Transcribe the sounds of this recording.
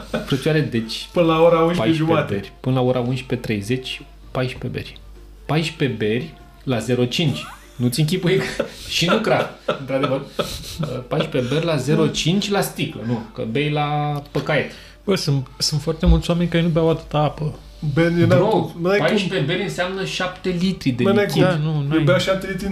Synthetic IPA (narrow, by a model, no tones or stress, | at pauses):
fɾət͡ʃuaɾed̪e̞t͡ʃʲpɨnəlaoɾaunʃpajeʃʒumeat̪eerʲpɨnəlao̞ɾʔaunʃpe̞t̪ɾe̞jze̞t͡ʃʲ | pajʃpebe̞̰rʲ | pajʃpe̞be̞rʲ | laze̞ɾo̞t͡ʃint͡ʃʲ | nut̪sʲɨŋk̬ʲipujekʃinukɾaɨnt̪ɾad̪evərəpajʃpe̞berʲlaze̞ɾo̞t͡ʃint͡ʃʲlast̪iklənukə̰bejlapəkaet̪ | bəsɨnt̪sɨnt̪fwart̪e̞mult̪sʲoame̞nʲkaɾenubeawat̪ut̪aapə | bennaunuajpajʃpebe̞ɾʲɨnseamnəʃapt̪e̞lit̪ɾid̪eajkinunujbeaʃap̚t̪elit̪ɾi